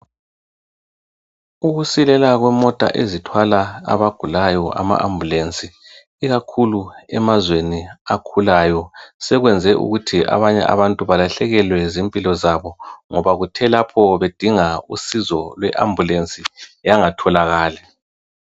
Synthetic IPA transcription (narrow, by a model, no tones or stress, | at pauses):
uɣusilɛlaɣwɛmɔtʼa̰ʔezitʰwalaa̰βaɡ̥ʱulajɔʔa̰ma̰ʔambʱulent͡sʼiː | ɣakʰuluɛmazweniakʰulajɔsɛɣwɛnd͡zʱɛʔṵɣutʰia̰βaɲɛ̰ʔa̰βantʼuβalaɬɛɣɛlwɛzimpʼilɔzaβɔŋɔβaɣutʰɛlapʰɔβed̥ʱiŋausizɔlwɛʔa̰mbʱulent͡sʼijaŋatʰɔlaɣaːlɛ